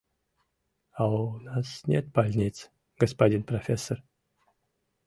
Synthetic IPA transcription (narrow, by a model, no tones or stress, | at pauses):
aunasnʲet̪̚balʲnʲit̪s | ɡ̥əspadʲinprofʲesːor